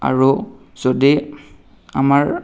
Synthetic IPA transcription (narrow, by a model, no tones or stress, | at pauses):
a̰ɹu | z̥ɔdi | amaɹ